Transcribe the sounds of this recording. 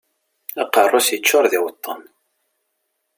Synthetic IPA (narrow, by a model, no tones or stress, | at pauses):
æqərˤːʊsjət͡ʃːʊɾˤðɪwət̪ˤːən